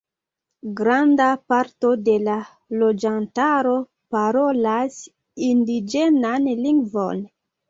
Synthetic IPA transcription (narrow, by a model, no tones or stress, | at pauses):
ɡɾandapaɾto̞de̞la | lo̞d͡ʒantaɾo̞ | paɾo̞las | indid͡ʒenanliŋɡvo̞̰n